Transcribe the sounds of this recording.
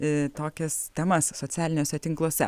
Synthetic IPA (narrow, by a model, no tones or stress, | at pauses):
t̪oːkʲɛst̪ʲɛmɐssoːtt͡s̪ʲæːlʲɪnʲoːsʲɛt̪ʲɪŋklˠuɔsʲɛ